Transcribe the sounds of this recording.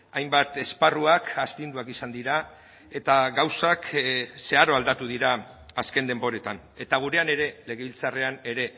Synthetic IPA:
ajmbat̪e̞sparuakast̪ind̪uakisand̪iɾa | e̞t̪aɣawsakse̞aɾo̞ald̪at̪uðiɾaː | ske̞nd̪e̞mbo̞ɾe̞t̪an | e̞t̪aɣ̞uɾe̞ane̞ɾe̞le̞ɣe̞βilt͡sare̞ane̞ɾe̞

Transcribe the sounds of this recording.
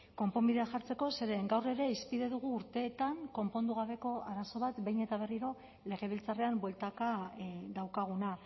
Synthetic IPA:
ko̞mpo̞mbiðe̞axaɾt͡se̞ko̞se̞ɾe̞ŋɡawre̞ɾe̞ispiðe̞ðuɣ̞uːɾt̪e̞ːt̪aŋko̞mpo̞nd̪uɣ̞aβe̞ko̞aɾaso̞β̞at̪bejne̞t̪aβ̞e̞riɾo̞ | le̞ɣe̞β̞ilt͡sare̞ambwe̞lt̪akad̪awkaɣ̞una

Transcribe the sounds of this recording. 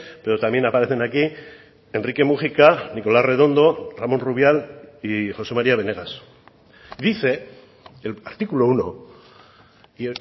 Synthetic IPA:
pe̞ɾo̞t̪amje̞napaɾe̞θe̞naki | e̞nrike̞muxikaniko̞lare̞ð̞o̞nd̪o̞ramo̞nruβ̞jalixo̞se̞maɾiaβ̞e̞ne̞ɣ̞as | ðiθe̞ | laɾt̪ikulouno̞̰

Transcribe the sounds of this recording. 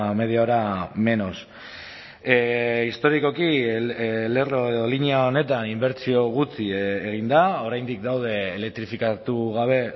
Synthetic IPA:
me̞ð̞eoɾame̞no̞s | ist̪o̞ɾiko̞ki | le̞roe̞ðo̞liniaone̞t̪animbe̞ɾt͡sio̞ɣ̞ut͡siːɣ̞ind̪ao̞ɾajnd̪ik̚d̪awð̞e̞ːle̞k̚t̪ɾifikat̪uɣaβ̞e̞

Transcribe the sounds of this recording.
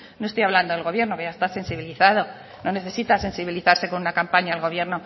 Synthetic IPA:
no̞est̪ojaβland̪o̞ðeɣo̞βje̞ɾno̞keʝaest̪ase̞nsiβiliθaðo̞ | no̞ne̞θe̞sit̪ase̞nsiβiliθaɾse̞ko̞nunakampaɲaːlɣo̞βje̞ɾno̞

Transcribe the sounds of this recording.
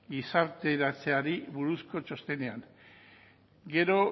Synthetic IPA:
ɡisaɾt̪e̞ɾat͡se̞aɾiβuɾusko̞t͡ʃo̞st̪e̞ne̞aŋ | ɡe̞ɾo̞

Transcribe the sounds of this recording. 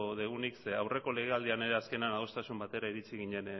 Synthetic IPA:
ðeɣ̞unikseawre̞ko̞le̞ɣ̞e̞ald̪iane̞ɾe̞aske̞nanaðo̞st̪asumbat̪e̞ɾaiɾit͡siɣiɲe̞n

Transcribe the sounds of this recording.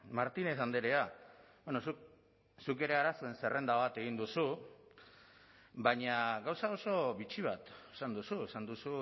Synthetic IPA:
maɾt̪ine̞sand̪eɾeabenosuk | suke̞ɾe̞aɾasoense̞re̞nd̪aβat̪e̞ɣ̞ind̪usu | baɲaɡawsao̞so̞βit͡ʃiβat̪e̥sand̪usue̞sand̪usu

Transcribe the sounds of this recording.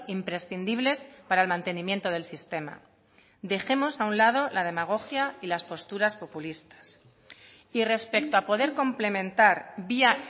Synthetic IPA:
impɾe̞sθind̪iβ̞le̞spaɾaelmãnt̪e̞nĩmje̞nt̪o̞ð̞e̞lsist̪e̞ma̰ | d̪e̞xe̞mo̞saunlað̞o̞laðe̞maɣ̞o̞xjailaspo̞st̪uɾaspo̞pulist̪ḁs | ire̞spe̞k̚t̪oapo̞ðe̞ɾko̞mple̞mẽ̞nt̪aɾbia

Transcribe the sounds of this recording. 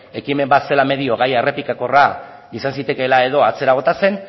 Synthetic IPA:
e̞kime̞mbat̪se̞lame̞ðio̞ɣajere̞pikako̞ra | isansit̪e̞ke̞lae̞ðo̞at͡se̞ɾaɣo̞t̪ase̞n

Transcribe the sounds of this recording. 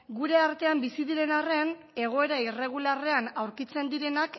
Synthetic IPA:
ɡuɾe̞aɾt̪e̞ambisiðiɾe̞nare̞an | e̞ɣ̞o̞e̞ɾaire̞ɣ̞ulare̞anawɾkit͡se̞nd̪iɾe̞nak

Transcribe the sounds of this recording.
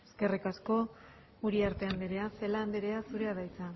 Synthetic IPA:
eske̞rikasko̞ | uɾiaɾt̪e̞and̪eɾe̞aselaːnd̪eɾeasuɾe̞aðajt͡sa

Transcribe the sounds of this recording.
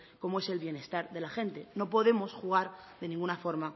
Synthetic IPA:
ko̞moe̞se̞lβje̞ne̞st̪aɾðe̞laxe̞nt̪e̞no̞po̞ðe̞mo̞sxuɣ̞aɾðe̞nĩŋɡunafo̞ɾma

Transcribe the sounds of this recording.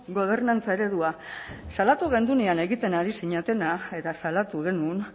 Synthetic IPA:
ɡo̞β̞e̞ɾnant͡sae̞ɾe̞ðuasalat̪uɣe̞nd̪uniane̞ɣit̪e̞naɾisiɲat̪e̞nae̞t̪asalat̪uɣ̞e̞nuːn

